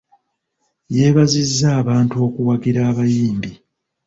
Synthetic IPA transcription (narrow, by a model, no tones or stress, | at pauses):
je̞ːβazizːaːβaːntuo̞ːkuwaɡiɾaːβajiːmbi